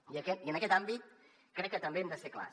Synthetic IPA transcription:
iəkɛt̪iənɐkɛt̪ambit̪̚ | kɾɛkːət̪əmbeɛmd̪əsekla̰

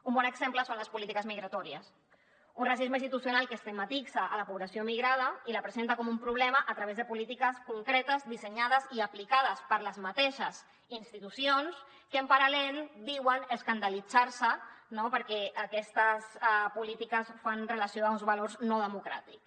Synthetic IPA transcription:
umbɔnəɡzempləsonləspulit̪ikəzmiɣɾat̪ɔɾiəs | unrasizmainst̪it̪usjunalˠkəst̪əmat̪izəʔːləpuβlasiomiɣɾað̞əiləpɾəzent̪əkɔmumpɾuβlɛməʔət̪ɾəβ̞ezðəpulit̪ikəskuŋkɾɛt̪əzd̪isəɲað̞əziaplikað̞əspəɾləzmat̪eʃəz | inst̪it̪usions | kəəmpaɾalɛlˠd̪iwənəskand̪alid͡zaɾsənopəɾkɛəkɛst̪əspulit̪ikəsfanrəlasioaunzβalorznoðəmukɾa̰t̪iks

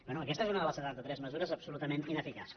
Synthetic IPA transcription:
bɛnuəkɛsezunəβəβəlˠsəðat̪̚d̪ət̪ɾɛzməzuɾəzəpsulut̪əmẽnt̪inəfika̰s

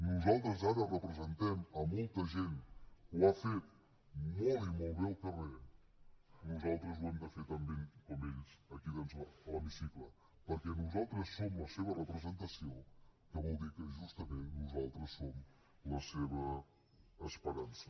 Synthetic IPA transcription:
nuzalˠt̪ɾəzaɾərəpɾəzənt̪ɛmɐmolˠt̪əʒent̪wafet̪̚ | molˠimolˠβɛlˠk̪əre | nuzalˠt̪ɾəzuwɛmd̪əfet̪ɐmbeŋkomenzɐkiðenzlaləmisiklˠə | pəɾkɛnuzalˠt̪ɾəsːomləseβərəpɾəzənt̪ɐsiokəβɔlˠd̪iɾkəʒust̪əmẽnt̪nuzalˠt̪ɾəsːom | ləseβəː | spəɾansə̥

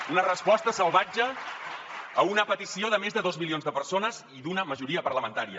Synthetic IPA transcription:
unərəspɔst̪əsəlˠβad͡ʒəː | unəpət̪isioðəmezðəðozmilionzðəpəɾsonəz | iðunəməʒuɾiəpərləmənt̪aɾiə

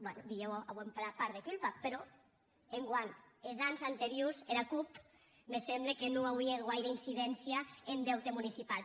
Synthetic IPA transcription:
bwɛnud̪iewaβwemplapaɾðekulpapeɾɔ | eŋɡwanezanzant̪eɾiozeɾakup | mesemblekenoawβieɣwajɾainsiðɛnsjaend̪ɛwt̪emunisipal

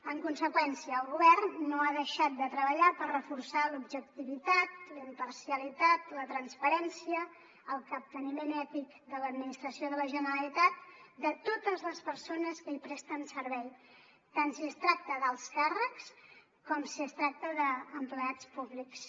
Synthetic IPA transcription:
əŋkunsəkwɛnsiəːlˠɣuβɛrnːoaðəʃat̪̚d̪ət̪ɾəβəʎapərrəfursalubʒək̚t̪iβit̪at̪̚ləimpəɾsiəlit̪at̪lət̪ɾənspəɾɛnsiə | əlˠkəp̚t̪ənimenɛt̪ik | d̪ələd̪minist̪ɾəsioðələʒənəɾəlit̪at̪̚d̪ət̪ot̪əzləspəɾsonəskəipɾɛst̪ənsəɾβɛj | t̪ansiəst̪ɾak̚t̪əðəlˠskarəks | kɔmsiəst̪ɾak̚t̪əðəːmpləat͡spuβliks

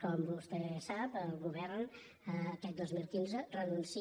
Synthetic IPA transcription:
kɔmbust̪ɛsapəlˠɣuβɛɾn | əkɛk̪̚d̪ozmilˠkinzərənunsi

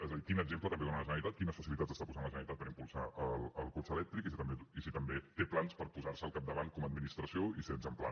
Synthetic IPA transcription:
ɛzəðikinəɡzemplət̪əmbeðonaləʒənəlit̪at̪kinəsfəsilit̪atzəst̪apuzanlˠəʒənəlit̪at̪̚pəɾimpulˠsaələlˠkot͡ʃəlɛk̚t̪ɾikisit̪əmbeisit̪əmbet̪eplanspəɾpuzarsəlˠkap̚d̪əβan̚kɔməd̪̚minist̪ɾəsioisenzəmpla̰

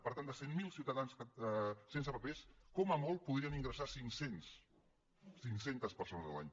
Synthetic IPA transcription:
pəɾt̪and̪əsemmilˠsiwt̪əðanskəsensəpəpeskɔməmɔlˠpuðɾiəniŋɡɾəsasiŋsens | siŋsent̪əspəɾsonəzðə̰la̰ɲ

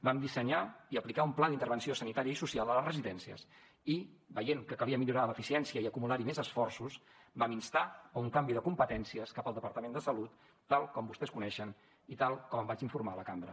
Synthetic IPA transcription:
bamd̪isəɲaiəplikaumplad̪int̪əɾβənsiosənit̪aɾiəisusialˠd̪ələrəziðɛnsiə̰s | ibəjeŋkəkəliəmiʎuɾaləfisiɛnsiəiəkumulaɾimezəsfɔrsus | baminst̪auŋkambiðəkumpət̪ɛnsiəskapəlˠd̪əpəɾt̪əmend̪əsəlut̪ː | alˠkɔmbust̪ɛskunɛʃən | it̪alˠkɔməmbat͡ʃiɱfuɾmaləkambɾə̰

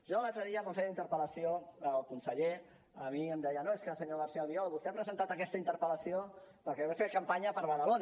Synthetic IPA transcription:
ʒɔəlalˠt̪ɾəðiəlˠkunseʎdint̪əɾpələsioəlˠkunsəʎe | əmiəmd̪ɛjənoeskəsəɲoɣəɾsialˠβiɔlˠβust̪eapɾəzənt̪at̪əkɛst̪əint̪əɾpələsiop̪əlkɛβefet̪̚kəmpaɲəpəɾβəðəlon

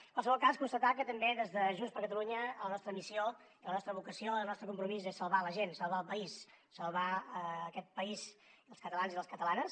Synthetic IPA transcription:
kwalˠsəβɔlˠkaskunst̪ət̪akət̪əmbeðezðəʒunspəɾkət̪əluɲələnɔst̪ɾəmisio | ilənɔst̪ɾəβukəsioənɔst̪ɾəkumpɾumizesəlˠβaləʒensəlˠβaəlˠpəisːəlˠβaəːkɛt̪̚pəiziðəlˠskət̪əlanziðəskət̪əlanəs

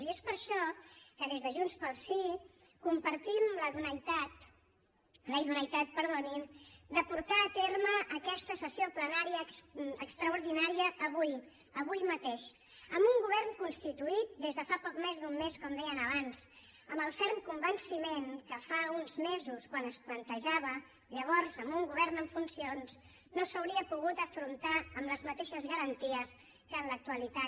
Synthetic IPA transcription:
ziespəɾʃɔkəðezðəʒunspəlˠsi | kumpəɾt̪imləðunəjt̪at̪ | lejðunəjt̪at̪̚pəɾðonimd̪əpuɾt̪aːt̪erməʔːkɛst̪əsəsioplənaɾiəsəkst̪ɾəuɾð̞inaɾiəʔːβuj | əβujmət̪eʃ | əmbuŋɡuβ̞ɛrnkunst̪it̪uit̪̚d̪ezðəfapɔkmezðummeskɔmd̪ɛjənəβanz | əmbəlˠfɛɾmkumbənsimenkəfaunzmezuskwanəsplənt̪əʒaβ̞ə | ʎəβ̞ɔɾzəmbuŋɡuβɛrnəɱfunsions | nosəwɾiəpuɣ̞ut̪əfɾunt̪aəmləzmət̪eʃəzɣəɾənt̪iəs | kənlək̚t̪uəlit̪a

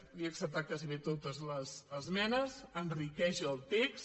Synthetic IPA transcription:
iəksəp̚t̪akaziβet̪ot̪əzləzəzmɛnəzənrikɛʒəlˠt̪eks

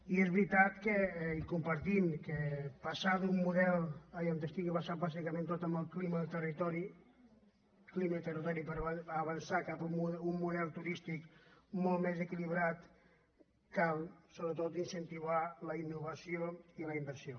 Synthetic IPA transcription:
iɛzβɾit̪at̪kəikumpəɾt̪imkəpasad̪umːuðɛlˠəjant̪əst̪iɣiβasat̪̚bazikəmẽnt̪ot̪əmbəlˠkliməðəlt̪ərit̪ɔɾi | klimət̪ərit̪ɔɾipəɾβəβənsakapumumːuðɛlˠt̪uɾist̪ikmolmezəkiliβɾat̪ | kalˠsoβɾət̪ot̪insənt̪iβaləinːuβɐsioiləimbəɾsijo

